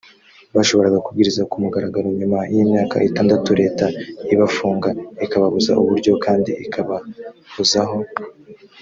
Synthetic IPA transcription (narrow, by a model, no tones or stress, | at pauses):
βaʃo̞βo̞ɾaɡakub̚ɡiɾizakumuɡaɾaɡaɾoɲumajiːmɲaːka̰ʔitaːndatuɾe̞ːtaiβafuːŋɡaikaβaβuza̰ʔuβuɾɟo̞kʰaːndiʔikʰaβaβuzaɦo̞